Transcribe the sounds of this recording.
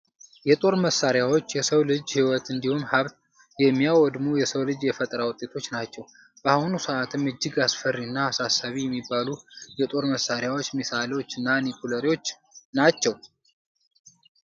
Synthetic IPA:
jɛt̪ʼo̞ɾməsːaɾjawo̞t͡ʃːjɛsəwlɨd͡ʒhiwɔt̪ɨnd̪ihumhaβt̪ | jɛmːijawɔd̪mujɛsəwlɨd͡ʒjɛfət̪ʼɾawʊt̪ʼːe̞t̪ʰo̞t͡ʃːnat͡ʃːɛw | b̥əahunusəʔat̪ʰɨmɨd͡ʒːɨɡasfərːiɨnːaːsasːaβijɛmːibːalujɛt̪ʼo̞ɾməsːaɾjawo̞t͡ʃːmisalewo̞t͡ʃːɨnːanikʰuləɾiwo̞t͡ʃː | nat͡ʃːɛw

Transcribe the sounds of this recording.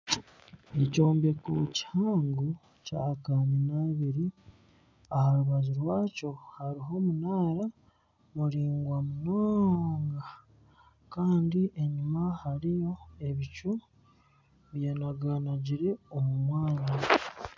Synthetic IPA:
eco̞ːmbe̞kuci̥haːŋɡu | cakaninaβiɾi | ahaɾuβaziɾwaːco̞haɾiɦo̞ːmunaːɾa | muɾiːŋɡwamunaːŋɡa | kaːndiʔe̞ɲumahaɾijo̞e̞βicu | βjanaɡaːnaɟiɾe̞omumwaːna

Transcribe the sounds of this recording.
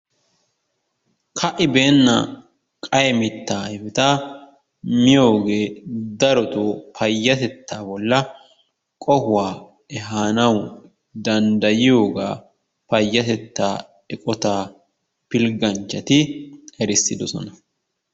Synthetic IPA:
kʰɐʔɪbeːnːɐ | kʼɐjmɪt̪ːaːɪbɛt̪a | mɪjo̞ːɡe̞ːd̪ɐɾɔt̪oːpʰɐjːɐt̪ɛt̪ːaːbɔlːɐ | kʼɔhʊwaː | ɛɦaːnɐw | d̪ɐnd̪ɐjɪjo̞ːɡa̰ː | pɐjːɐt̪ɛt̪ːaː | ɛkʼɔt̪aː | pɪlɡɐnt͡ʃːɐt̪ɪhɛɾɪsːɪd̪ɔsɔ̰nɐ

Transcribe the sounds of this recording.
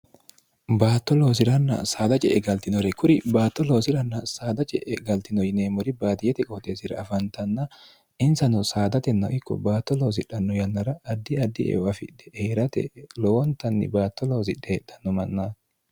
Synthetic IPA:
baːt̪ːɔlo̞ːs̬ɪɾɐnːɐ̰saːd̪ɐt͡ʃʼɛ̰ʔɛɡɐlt̪ɪnɔɾɛkʰʊɾɪbaːt̪ːɔlo̞ːsɪɾɐnːɐsaːd̪ɐt͡ʃʼɛʔɛɡɐlt̪ɪnɔjɪneːmɔɾɪbaːd̪ɪjɛt̪ɛkʼoːt̪ʼeːsɪɾɐ̰ɐfɐnt̪ɐnːɐ | ʔɪnsɐnɔsaːd̪ɐt̪ɛnːɐ̰ʔɪkːɔ̰baːt̪ːɔloːs̬ɪᶑɐnːɔjɐnːɐɾɐːd̪ːɪɐd̪ːɪʔɛ̰ɐfɪ̰ᶑɛeːɾɐt̪ɛ̰lɔwɔnt̪ɐnːɪ̰baːt̪ːɔlo̞ːs̬ɪᶑed̪ɐnːɔmɐnːɐ

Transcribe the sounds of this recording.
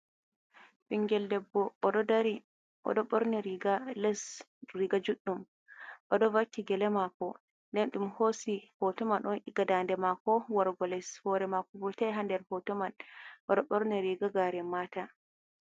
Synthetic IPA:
ɓiŋɡɛldɛbːɔʔɔɗɔdaɾi | ʔɔ̰ɗɔɓɔɾnɛɾiɡalɛs | ɾiɡad͡ʒuɗːum | ʔɔɗɔvakːiɡɛlɛmakɔ | ndɛnɗumhosihɔtɔmanʔɔniɡadandɛmakɔwaɾɡɔlɛshɔɾɛmakɔbɔtajɦandɛɾhɔtɔmanʔɔɗɔɓɔɾnɛɾiɡaɡaːɾɛmata

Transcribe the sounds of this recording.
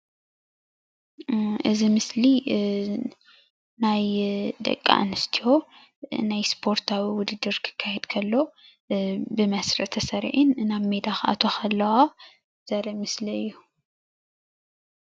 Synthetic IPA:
ʔɨzimɨsli | najd̪ɐ̰kʼːa̰nɨst̪ʰiho̞ | najspʰo̞ɾt̪ʰawiwʊd̪ɨd̪ːɨɾkʰɨ̥kʰːajɛd̪kʰɐlːo̞ | bɨmɐsɾɐt̪ʰɐsɐɾ̰ʕinnaβmed̪axʔa̰t̪ʰo̞xʰɐlːɐwa | z̥ɐɾɨmɨsliɨjːu

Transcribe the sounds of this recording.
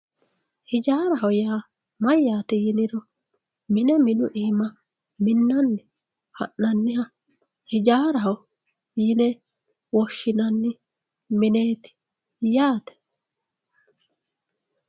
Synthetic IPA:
hɪd͡ʒaːɾɐɦɐwjaː | mɐjːaːt̪ɪjɪnɪɾɔ | mɪnɛmɪnʊʔiːmɐ | mɪnːɐnːɪ | hɐ̰ʔːɐnːɪhɐ | hɪd͡ʒaːɾɐɦɐw | jɪnɛ | wɔʃːɪnɐnːɪ | mɪneːt̪ɪ̥ | jaːt̪ɛ̥

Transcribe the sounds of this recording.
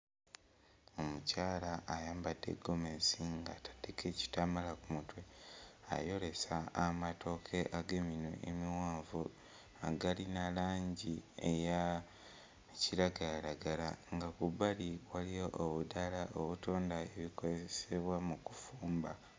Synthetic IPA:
omucaːlaːjaːmbadːe̞̰ɡo̞mensiŋɡatʰḁdekʰe̞ci̥tamalakumutwe̞a̰jo̞ɾe̞saːmatʰo̞kʰe̞ʔaɡemino̰ʔḛmiwaːɱvu | aɡalinalaːɲɟieja | ciɾaɡajaɾaɡalaŋɡakubaliwalijoʔːβudalaʔoβuto̞ːndae̞βikozeese̞βwamuku̥fuːmba

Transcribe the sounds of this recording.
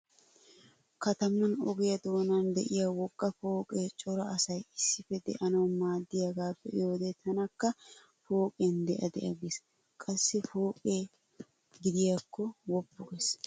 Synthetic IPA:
kɐt̪ɐmɐnɔ̰ɡɪjɐd̪oːnɐnd̪ɛ̰ʔɪjawɔkʼːɐfoːkʼet͡ʃʼɔɾɐɐsɐjɪsːɪfɛd̪ɛ̰ʔɐnɐwmaːd̪ːɪjɐɡaːpːɛjoːd̪et̪ʰɐnɐkːɐ | foːkʼend̪ɛʔɐd̪ɛ̰ʔɐɡes | kʼɐsːɪfoːkʼeː | ɡɪd̪ɪjakːɔwɔbːʊɡɛs

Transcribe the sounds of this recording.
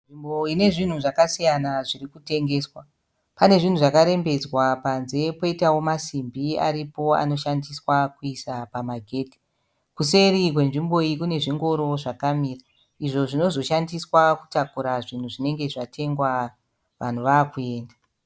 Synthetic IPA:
nʐimboine̞ʐin̤uʐakasijanaʐirikute̞ŋɡe̞ːswa | pane̞ʐin̤uʐakaɾe̞mbe̞d͡zwapanze̞po̞itawo̞masimbia̰ɾipo̞a̰no̞ʃandiswakuisapamaɡʱe̞ːti̥ | kuse̞rik̬we̞nʐimbo̞ikune̞ʐiŋɡo̞ɾo̞ʐakamiːra | iʐo̞ʐino̞zo̞ʃandiswaku̥takuɾaʐin̤uʐine̞ŋɡe̞ʐatʰe̞ŋɡwa | ʋan̤uʋaːkue̞ːnda

